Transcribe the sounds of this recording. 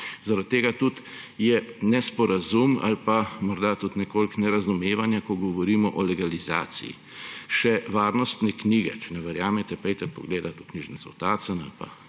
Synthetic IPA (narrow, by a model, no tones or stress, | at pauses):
zaɾat̪ːeːɡat̪ut̪ | jɛnɛspɔɾazuma̰lpamɔɾd̪at̪ut̪nɛkoːlknɛɾazumeːʋanjakɔɡɔʋɔɾiːmɔʔɔlɛɡaliza̰ːt̪sḭjḭ | ʃɛʋaːɾnɔst̪nɛkniːɡɛ̰t͡ʃɛnɛʋɛɾjaːmɛt̪ɛpɛjt̪ɛpɔ̰ɡleːd̪at̪ukniːʒɛnzɔ̰wt̪aːsəna̰lpa̰